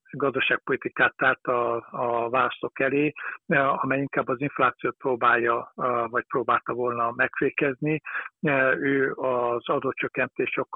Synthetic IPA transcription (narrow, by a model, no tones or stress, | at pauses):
ɡɒzd̪oʃaːk̚po̞lit̪ikaːt̪aːlt̪ɒːvaːlɒst̪o̞kɛleːɒmɛjiŋkaːbːɒziɱflaːt̪sijoːt̪̚proːbaːjːɒvɒc̚proːbaːlt̪ɒvo̞lnɒmɛkfeːkɛzni | øːɒzɒd̪oːt͡ʃø̞kːɛnt̪eːʃo̞kː